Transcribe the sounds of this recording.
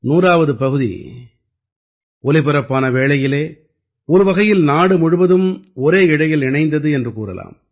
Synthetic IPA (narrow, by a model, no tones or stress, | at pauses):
nuːraːʋɐðɯpɐɣɯðḭ | ɔlɪpɯɾɐpːaːnɐʋeːɭɐjɪleː | ɔɾɯʋɐɣɐjɪlnaːɽɯmʊɻɯʋɐðɯmɔɾeːɪɽɐjɪlɪɳɐɪnd̪ɐðɯɛndrɯkuːɾɐ̰la̰ːm